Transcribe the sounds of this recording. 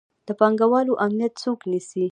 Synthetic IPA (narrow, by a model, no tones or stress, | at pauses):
d̪̥əpɑŋɡawɑloʔamnijat̪t͡soknisi